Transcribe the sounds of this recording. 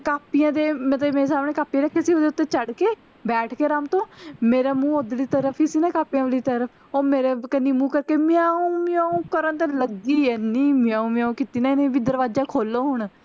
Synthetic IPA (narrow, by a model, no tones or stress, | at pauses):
kaːpijãːd̪eːmət̪ləbmeːɾesaːmɳ̃eːkaːpijãːɾeːkʰːeːsiːoːd̪eːʊt̪ːeːt͡ʃəɽkeː | bɛːʈʰkeːɾaːmt̪õːmeːɾaːmũːoːd̪liːt̪əɾəpʰɦiːsiːnaːkaːpijãːʋəliːt̪əɾəpʰ | oːmeːɾeːkəniːmũːkəɾkeːmɪaːũːmɪãːũːkəɾənt̪ẽːləɡiːɛːniːmɪjãːũːmɪjaːũːkiːt̪iːnãːɪnẽːʋɪd̪əɾʋaːd͡ʒãːkʰoːlːõːɦʊɳ